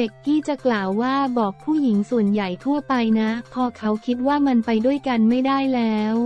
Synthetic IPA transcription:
e˨˩kːiː˥˩t͡ɕa˨˩klaː˨˩wːaː˥˩bɔː˨˩k̚pʰuː˥˩ji˩˦ŋsu˨˩ənja˨˩jt̪ʰu˥˩əpa˧jna˦˥pʰɔː˧kʰa˦˥wkʰi˦˥t̪̚waː˥˩ma˧npa˧jdu˥˩əjka˧nma˥˩jdaː˥˩jlɛː˦˥w

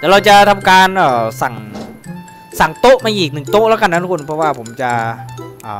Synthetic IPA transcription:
t̪ɛː˨˩ɾa˧wt͡ɕa˨˩t̪ʰa˧mkaː˧nʔəː˨˩sa˨˩ŋ | sa˨˩ŋt̪o˦˥ʔmaː˧ʔiː˨˩k̚nɯ˨˩ŋt̪o˦˥ʔlɛː˦˥wka˧nːa˧˥t̪ʰu˥ku˧npʰɾɔ˦˥waː˥˩pʰo˩˦mt͡ɕa˧ʔʔəː˨˩

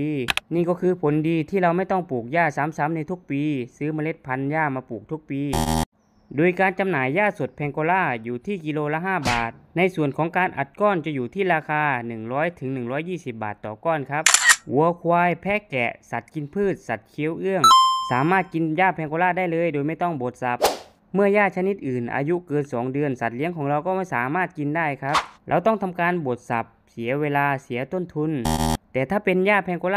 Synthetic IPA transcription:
niː˧˥˩kɔː˧kʰɯː˧pʰo˨˦ndiː˧t̪ʰiː˧˩la˧wma˥˩jt̪ɔ˧˥˩ŋpuː˨˩k̚jaː˧˥˩saː˨˦msa˨˦mna˧jt̪ʰu˧˥k̚piː˧sɯː˧˥ma˧le˧˥t̪̚pʰa˧˥njaː˧˥˩maː˧puː˨˩k̚t̪ʰu˦˧˥k̚piː˧ | doː˧˨jkaː˧nt͡ɕa˧mnaː˨˦jːaː˧˥˩so˨˩t̪̚pʰɛː˧ŋko˧laː˧˥˩juː˨˩t̪ʰiː˧˥˩ki˧loː˧la˧˥ɦaː˧˥˩baː˨˩t̪̚na˧˥˨jsu˨˩ənkʰɔː˨˦ŋkaː˧nʔa̰˨˩t̪̚kɔː˧˥˨nt͡ɕa˧˦juː˨˩t̪ʰiː˧˥˩laː˧kʰaː˧nɯ˨˩ŋlɔː˦˥jt̪ʰɯ˩˦ŋnɯ˨˩ŋlɔː˧˥jːiː˥˩si˨˧˦p̚ba̰ː˨˩t̪ːɔː˨˩kɔː˧˩˨nkʰa˧˦˥p̚ʔu˨˩˦əkʰwaː˧jpʰɛː˧˥kɛ̰˧˩sa˨˩t̪̚ki˧npʰɯː˥˩t̪̚sa˨˩˦t̪̚kʰi˧˦ə˨wʔɯ˧˩əŋsaː˨˦maː˥˩t̪̚ki˨˧˨njaː˧˩pʰɛː˧ŋko˧˦laː˧˥˨da˧˥˩jlɤː˧˥˨jdoː˧˦jma˥˩jt̪ɔ˥˩ŋbo˨˩˦t̪̚sa˧˦p̚ | mɯ˧˩əjaː˧˩t͡ɕʰa˧ni˧˥t̪̚ʔɯː˨˩nʔa̰ː˧ju˧˥kɤː˧nsɔː˨˩˦ŋdɯ˧ənsa˨˩t̪̚li˧˦əŋkʰɔː˨˦ŋla˧wkɔː˥˩ma˧˥˨jsaː˨˦maː˥˩t̪̚ki˧˨ndaː˥˩jkʰa˦˥p̚la̰˧˩wt̪ɔ˥˩ŋt̪ʰa˧mkaː˧˨nbo˨˩t̪̚sa̰˨˦p̚si˨˩˦ɐweː˧laː˧si˨˦ɐt̪o˧˥˩nt̪ʰu˧˨nt̪ɛː˨˩t̪ʰaː˧˩pe˧˨njaː˧˩pʰɛː˧ŋkoː˧laː˧˨

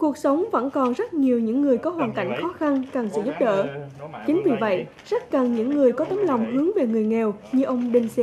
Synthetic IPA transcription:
ku˨˩ək̚sə˨˦wŋ͡mvə̰˧˥nkɔ˨˩nzə˦˥t̚ɲi˨˩əwɲɨ̰˧˥ŋːɨ˨˩əjkɔ˨˦ɦwaː˨˩nka˧˩jŋ̟xɔ˨˦xa˧nkaː˨˩ŋsɨ̰˧˥zu˦˥p̚ɗə̰ː˧˨t͡ɕï˨˦ŋ̟vi˨˩və̰˧˨j | za˦˥k̚ka˨˩ŋɲɨ̰˧˥ŋːɨ˨˩əjkɔ˨˦t̪ə˨˦mla˨˩wŋ͡mɦɨ˨˦əŋve˨˩ŋɨ˨˩əjŋɛ˨˩wɲɨ˧ʔə˧wŋ͡mɗï˧˩ŋ̟sɛ˧˦

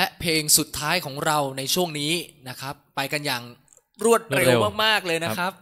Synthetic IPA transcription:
lɛ˦˥pʰeː˧ŋsu˨˩t̪ʰːaː˦˥jkʰɔː˩˦ŋɾa˧wna˧jt͡ɕʰu˥˩əŋniː˦˥na˦˥kʰɾa˦˥pːa˧jka˧njaː˨˩ŋ | ɾu˥˩ət̪̚ɾe˧wwmaː˥˩k̚maː˥˩k̚lɤː˧jna˦˥kʰɾa˦˥p̚

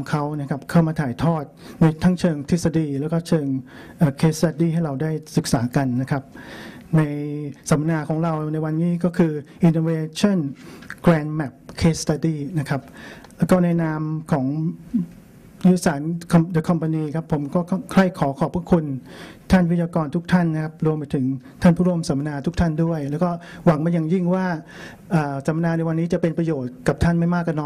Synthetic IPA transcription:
kʰa˦˥wna˥˩kʰa˦˥p̚kʰa˥˩wmaː˧t̪ʰaː˨˩˦jt̪ʰɔː˥˩t̪̚na˧jt̪ʰa˦˥ŋt͡ɕʰɤː˧ŋt̪ʰi˦˥t̪̚sa˧diː˧lɛː˦˥wkɔː˥˩t͡ɕʰɤː˧ŋ | ʔaː˨˩kʰeː˦˥st̪a˧diː˥˩ɦa˥˩jɾa˧wdaː˥˩jsɯ˨˩k̚saː˩˦ka˧nːa˦˥kʰa˦˥p̚na˧jsa˩˦ma˧naː˧kʰɔː˩˦ŋɾa˧wna˧jwa˧nːiː˦˥˩kɔː˥˩kʰɯː˧ʔi˧nːoː˧weː˧t͡ɕʰa˥˩nklɛː˧nmɛ˦˩p̚kʰeː˦˥st̪a˧diː˥˩na˦˥kʰa˦˥p̚ːkɔː˥˩na˧jnaː˧mkʰɔː˩˦ŋ | jɯː˦˥saː˩˦nkʰa˧mdɯ˨˧˦kʰa˧mpa˧niː˧kʰa˦˥pʰːo˩˦mkɔː˥˩kkʰla˥˩jkʰɔː˩˦kʰɔː˨˩˦pʰu˥˩ə˩kʰu˧nt̪ʰa˥˩nwi˦˥t̪̚jaː˧kɔː˧nt̪ʰu˦˥k̚t̪ʰa˥˩nːa˦˥kʰa˦˥p̚ɾu˧əmpa˧jt̪ʰɯ˩˦ŋ | t̪ʰa˥˩npʰuː˥˩ɾu˧əmsa˨˩˦ma˧naː˧t̪ʰu˦˥kt̪ʰa˥˩ndu˥˩əjlɛː˦˥wkɔː˥˩wa˩˦ŋma˧nja˨˩ŋji˥˩ŋwaː˥˩ | ʔɤː˨˩sa˨˩˦ma˧naː˧na˧jwa˧nːiː˦˥t͡ɕa˨˩pe˧npɾa˧joː˨˩t̪̚ka˨˩p̚t̪ʰa˥˩nma˥˩jmaː˥˩kːa˧˩nːɔː˧˦j

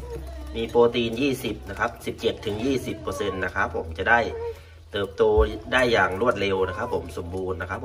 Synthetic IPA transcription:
miː˧poː˧t̪iː˧njiː˥˩si˨˩p̚na˦˥kʰa˦˥p̚si˨˩p̚t͡ɕe˨˩t̪ʰːɯ˩˦ŋjiː˥˩si˨˩pːɤː˧se˧nːa˦˧˥kʰa˦˥pʰːo˩˦mt͡ɕa˨˩ʔda˥˩j | t̪ɤː˨˩p̚t̪oː˧daː˥˩jːaː˨˩ŋlu˥˩ət̪̚le˧wna˦˥˩kʰa˦˥pʰːo˩˦mso˨˩˦mbuː˧nːa˧˥kʰa˦˥pʰ

